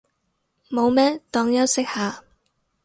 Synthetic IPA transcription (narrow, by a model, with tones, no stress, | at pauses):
mo˨˧wmɛː˥t̪ɔː˨˧ŋjɐ˥wsɪ˥k̚haː˨˧